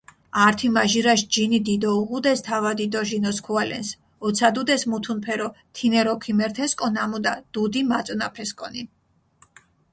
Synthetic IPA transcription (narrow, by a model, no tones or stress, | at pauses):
aɾt̪ʰimaʒiɾaʃd͡ʒinid̪id̪ɔuʁud̪ɛst̪ʰavad̪id̪ɔʒinɔskʰualɛ̰ns | ɔt̪sʰad̪ud̪ɛsmut̪ʰunpʰɛɾɔt̪ʰinɛɾɔkʰimɛɾt̪ʰɛskʼɔnamud̪ad̪̥ud̪imat̪sʼnapʰɛskʼɔni